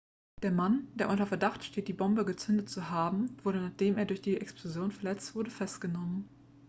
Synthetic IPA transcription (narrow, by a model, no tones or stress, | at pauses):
d̥eːɐmand̥eːɐʔʊntɐfɛɐdaχtʃteːt̚d̥iːbɔmbəɡət͡sʏndətt͡suɦaːbm̩vʊɐɾənaːχd̥eːmeːɐdʊɐçd̥iːʔɛksplozjoːnfɛɐlɛt͡stv̥ʊɐɾəfɛstɡ̥ənɔmən